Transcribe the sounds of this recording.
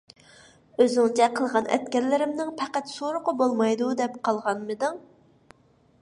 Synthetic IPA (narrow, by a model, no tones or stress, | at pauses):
øzɪŋt͡ʃʰɛqʰəlˠʁɑnʔɛ̰t̪kʲɛɾlːɪɾɪmnɪŋpʰæqæt̪soɾʊqʊbolˠmɑjd̪ud̪ɛpqʰɑlˠʁɑnmɨd̪ɨŋ